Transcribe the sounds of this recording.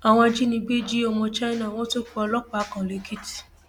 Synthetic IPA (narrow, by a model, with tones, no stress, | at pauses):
a˨w̃ɔ̃˧a˧d͡ʒi˦nĩ˧ɡ͡be˦d͡ʒi˦ɔ˧mɔ̃˧t͡ʃa˦nã˦˨w̃ɔ̃˦to˦k͡pu˦ɔ˧lɔ˦k͡pa˨˦kã˨le˨˦kʰi˦ti̥˨